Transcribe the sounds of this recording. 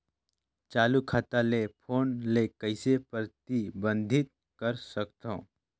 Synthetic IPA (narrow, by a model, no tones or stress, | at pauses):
t͡ʃaːlukʰaːt̪alepʰoːnlekəɪsepəɾt̪ibə̃nd̪ʱɪt̪̚ | kəɾsəkt̪õː